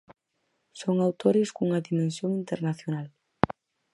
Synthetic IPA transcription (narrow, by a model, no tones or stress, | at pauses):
soŋawt̪oɾɪskuŋɐðimẽnsjoŋint̪eɾnaθjonal